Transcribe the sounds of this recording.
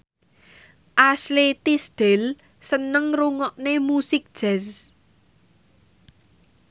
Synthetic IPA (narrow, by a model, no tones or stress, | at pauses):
ʔaslet̪isd̪̥el | sənəŋruŋɔʔnemusɪk̚d̥ʒ̥ɛs